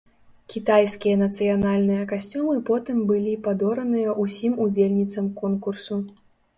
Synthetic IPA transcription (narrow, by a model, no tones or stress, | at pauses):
kʲit̪ajsʲkʲijɐnɐt̪sɨjanalʲnɨjɐkasʲt͡sʲumɨpɔt̪ɨmbɨlʲipad̪ɔɾɐnɨjɐʔusʲimud͡zʲelʲnʲit̪sɐmkɔnkursu